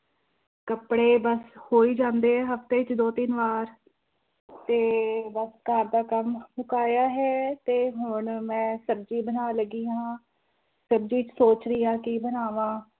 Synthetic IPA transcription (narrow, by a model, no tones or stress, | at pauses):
kəpɽeːbəshoːiːd͡ʒãːnd̪eːɦɛːɦəft̪eːɪt͡ʃd̪oːt̪ɪnʋaːɾ | t̪eːbəsɡʱəɾd̪aːkəmmʊkaːjaːɦɛːt̪eːɦʊɳmɛ̃ːsəbd͡ʒiːbənaːləɡiːɦãː | səbd͡ʒiːɪt͡ʃsoːt͡ʃɾiːaːkibənaːʋãː